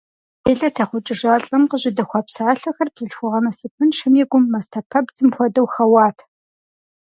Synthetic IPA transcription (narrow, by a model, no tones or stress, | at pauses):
eːɮɐtʰɐχʷʊt͡ʃʼɪʒaːɬʼɐmqəʑɪdɐxʷɑːpsaːɬɐxɐrbz̥ɨɬxʷʊʁɐmɐsɨpʰɨnʃɐmɛɡʷʊmːɐstʰɐpʰɐbd͡zɨmxʷɔdɐwxɐwɑːtʰ